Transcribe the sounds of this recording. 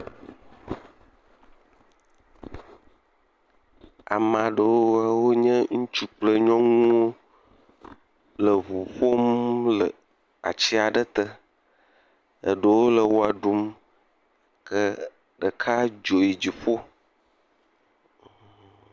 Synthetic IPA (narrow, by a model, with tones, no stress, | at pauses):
a̰˨mã˨ɖə˨wo˦wa˨wo˦ɲə̃˦ŋũ˦t͡ʃu˦k͡plə˦ɲɔ̃˦ŋũ˦wo˦ | lə˨βu˨ɸo˦mlə˨ | a̰˨t͡ɕi˦a˨ɖə˦t̪ə˦ | ə̰˨ɖə˨wo˦lə˨wo˦a˨ɖu˦m | kə˦ | ɖə˨kʰa˦d͡ʒo˨ji˨d͡ʑi˨ɸo˦